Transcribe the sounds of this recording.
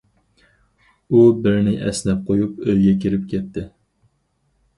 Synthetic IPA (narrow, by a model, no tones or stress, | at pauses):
ubɪɾnɪʔɛ̰snɛp̚qʰojupøjɡʲɛkʲʰiɾɪp̚kʲʰɛt̪ʰːɪ